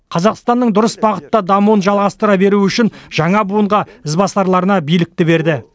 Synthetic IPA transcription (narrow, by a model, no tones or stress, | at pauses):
qʰɑzɑqst̪ɑnːəɴd̪ʊɾəsbɑqət̪ːɑd̪ɑmunʒɑlˠʁɑst̪əɾɑbe̞ɾuʏʃɪnʒ̥ɑɴɑbuəɴʁɑɪzbɑsɑɾlˠɑɾənɑbijlɪk̚t̪ɪbe̞ɾd̪ɪ